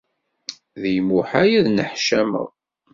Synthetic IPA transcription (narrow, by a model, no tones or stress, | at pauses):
ðijmuħajiðnəħʃæmə̰ʁ